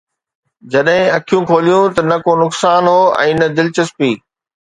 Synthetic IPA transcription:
d͡ʑɐɗɦɪ̃ɐkʰijũkʰoːlijũt̪ɐnɐkoːnʊksaːnɦoːɛ̰̃ːnɐd̪ɪlt͡ɕɐspiː

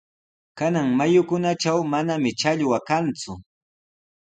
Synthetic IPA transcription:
kanaŋmajʊkʊnat͡ʃawmanamɪt͡ʃaʎwakant͡sʊ

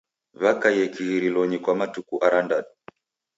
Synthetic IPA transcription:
βakajɛkiɣiɾilɔɲikwamatukuʔaɾandaɗu

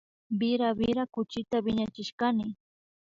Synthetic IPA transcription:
bɪɾabɪɾakʊt͡ʃɪt̪abɪɲat͡ʃɪʃkanɪ

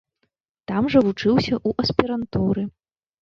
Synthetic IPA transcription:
t̪amʐɐvut͡ʂɨwsʲɐʔuʔɐsʲpʲiɾɐnt̪uɾɨ

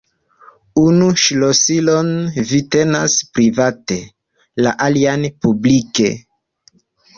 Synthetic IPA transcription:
unuʃlosilo̞nvite̞naspɾivate̞ | la̰ʔalianpublike̞̰

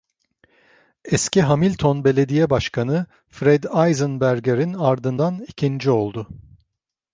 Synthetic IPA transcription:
ɛsciɦamilʲt̪ʰonbe̞lʲe̞d̪ijɛbaʃkʰanɯ | fɾɛd̪ajzɯnbæɾɟeɾinaɾd̪ɯnd̪anicʰind͡ʒio̞lˠd̪ʊ

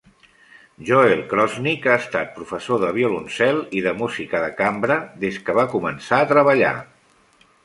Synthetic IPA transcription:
ʒɔelˠkɾɔznikaəst̪at̪̚pɾufəsoðəβjulunsɛlˠiðəmuzikəðəkambɾəðeskəβ̞akumənsaət̪ɾəβəʎa̰

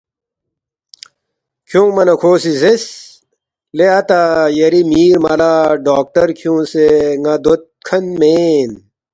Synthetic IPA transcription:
kʰjũmɐnɐkʰoːsizes | leɐt̪ajɐɾimiːɾmɐlaːɖaːk̚ʈɐɾkʰjũːseŋɐd̪ot̪̚kʰɐnmeːn

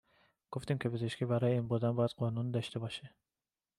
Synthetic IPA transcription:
ɡ̥oft̪iːmcʰe̞pʰe̞zeʃkʲiːbæɾɒːjeiːnboɾd̪ænbɒːjæd̪̥̚ɢɒːnund̪ɒːʃt̪e̞bɒːʃe

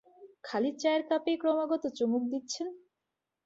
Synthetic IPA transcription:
kʰaliɾt͡ɕaeɾkapejkɾɔmaɡɔt̪ot͡ɕomuk̚d̪itːɕʰen

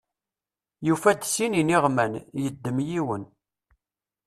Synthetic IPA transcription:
jufæd̪sininiʁmænjəd̪ːəmjiwən

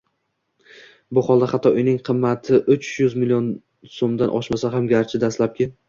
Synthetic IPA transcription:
bʊχɒlˠd̪ahat̪ʰːɒʔʊjnɪŋqʰɨmːat̪ʰɪʔʊt͡ʃjʊzmɪlijon | somd̪anʔɒ̰ʃmasaɦamɡʲaɾt͡ʃʰɪd̪aslap̚kʲɪ

